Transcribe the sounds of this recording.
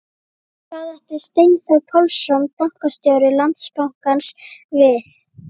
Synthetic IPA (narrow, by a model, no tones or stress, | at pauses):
kaːðɛht̪ɪst̪ejnθawpʰɔlsɔnpawŋ̥kast̪jowɾɪlant̪spawŋ̥kansvɪθ